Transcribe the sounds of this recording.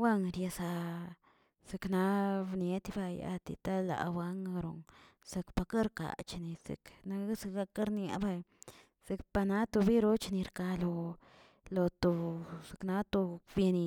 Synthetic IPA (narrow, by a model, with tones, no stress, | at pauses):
wa˦ŋɾje˧sa˧ | se˧kna˧bnje˧t̪ba˧ja̰˧t̪ḭ˧t̪a˦la̰˨wa˦ŋ˧ɾo̰˨ŋ | se˧kpa˧ka˦ɾka̰˨t͡ʃni˧zḛ˨kna˧˦se˧ɡa˧ka˦ɾnja̰˧˦ba˧j | z̥e˧kpa˧na˧˦t̪o˧bi˦ɾo˦t͡ʃni˧ɾka˧lo˧ | lo˧t̪o˧se˨kna˧˦t̪o˧bje˧ni˧